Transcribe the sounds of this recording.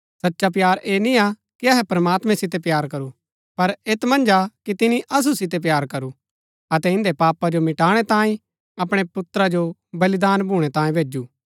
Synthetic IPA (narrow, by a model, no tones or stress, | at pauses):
sɐtːʃap̬jaːɾʔeːnĩa | kiɐɦɛpɾɐmaːt̪mɛ̃sɪt̪̬epjaːɾkɐɾu | pɐɾeːt̪mɐ̃nd͡ʒakit̪ɪniʔɐs̬usɪt̪̬ep̬jaːɾkɐɾu | ɐt̪ɛɪ̃nd̪epaːpad͡ʒomɪʈaːɽ̃ɛt̪ãːĩ | ɐpɽ̃epʊt̪ɾad͡ʒobɐlɪd̪aːnbʱuːɽ̃ɛt̪ãːĩbʱeːd͡ʒuː